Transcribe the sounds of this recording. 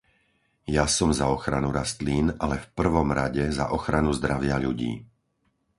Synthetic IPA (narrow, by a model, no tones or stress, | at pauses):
jasɔmzaɔxɾanuɾast̪liːnalɛfpr̩ʋɔmɾaɟɛza̰ʔɔxɾanuzd̪ɾaʋɪaʎuɟḭː